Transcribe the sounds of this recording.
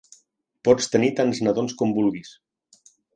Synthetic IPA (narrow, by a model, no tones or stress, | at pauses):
pɔt͡st̪ənit̪anznəðonskɔmbulˠɣis